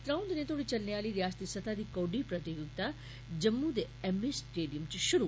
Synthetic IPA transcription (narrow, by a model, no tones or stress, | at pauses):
t̪ɾãːwnd̪nẽt̪ʰoːɽit͡ʃɐlneaːliɾijaːst̪isɐt̪ʰad̪iːkoːɖipɾɐt̪ijʊɡ̚t̪a | d͡ʒɐmːud̪e | emisʈeːɖijəmt͡ɕiʃʊɾu